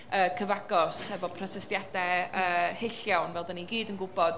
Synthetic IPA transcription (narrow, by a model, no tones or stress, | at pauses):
əːkʰəvaɡɔshɛvɔpʰrɔtʰɛstjadɛəːhɪɬjawnvɛlˠdəniɡiːdənɡʊbɔd̥